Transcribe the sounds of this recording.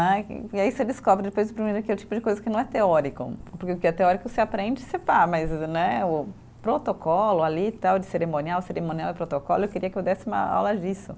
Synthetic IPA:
nɛ̰ɪaised̪ɪskɔbɾɪd̪ɪpojzʊpɾimejɾʊakelɪt͡ʃi̥pʊd͡ʒɪkojzɐkɪnɐ̃ɛt̪eɔɾikʊ̰poɾkeʊkɪɛt̪eɔɾikʊseapɾẽnd͡ʒɪɪsepaɾmɐznɛʊ | pɾot̪okʰɔlʊalit̪awd͡ʒɪseɾemõniawseɾemõniawɪpɾot̪okɔlʊewkɪɾiɐkɪewd̪ɛsɪũmɐ̰a̰wlɐd͡ʒisʊ

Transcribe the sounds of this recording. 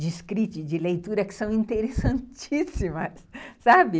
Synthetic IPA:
d͡ʒɪskɾit͡ʃɪd͡ʒɪlejt̪uɾɐkɪ̥sɐ̃w̃ĩnt̪eɾesɐ̃nt͡ʃisimɐsːabɪ

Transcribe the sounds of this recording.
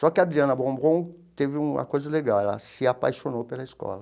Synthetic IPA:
sɔkɪad̪ɾiɐ̃nɐbɾõbõw | t̪evɪũmɐ̰kojzɐleɡalɐ̰sɪapajʃonopelɐiskɔ̰lɐ

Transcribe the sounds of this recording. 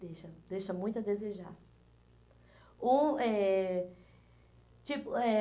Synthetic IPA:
d̪eʃɐd̪ejʃɐmũj̃t̪ʊɐd̪ezeʒa̰ɾ | ũɛ | t͡ʃipʊɛ

